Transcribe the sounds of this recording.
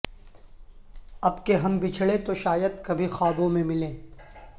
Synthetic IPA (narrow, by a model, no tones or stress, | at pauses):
ɐbkeɦɐmbɪt͡ʃʰɭet̪oʃaːjəd̪kɐbʱixaːbõmẽmɪlẽː